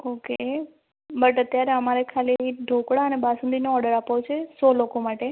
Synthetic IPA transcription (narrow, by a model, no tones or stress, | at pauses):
oke | bəʈət̪jaɾeəmaɾekʰaliiɖʱokɽaənebasənd̪inoɔɾɖəɾapʋot͡ʃʰesɔlokomaʈe